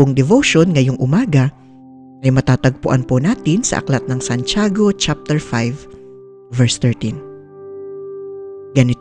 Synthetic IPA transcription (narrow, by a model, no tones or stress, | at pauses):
ʊŋd̪ɛvoʃonŋɐjoŋʔʊmaːɡɐ | ʔɐjmɐt̪aːt̪ɐɡ̚pʊʔanpʊnaːt̪ɪnsɐ̰ʔɐ̰klat̪̚nɐŋsɐnt͡ʃaːɡo̞t͡ʃap̚t̪ɛɹfajv | vɛɹst̪ɛɹt̪in | ɡɐnɪ